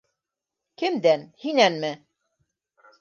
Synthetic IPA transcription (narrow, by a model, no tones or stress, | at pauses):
kɘmd̪ænhinænmɘ